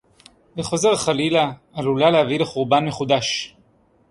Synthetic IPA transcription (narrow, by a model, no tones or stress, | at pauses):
beχo̞ze̞ʁaχalilaː | lulalehavileχuʁbanmeχud̪aʃ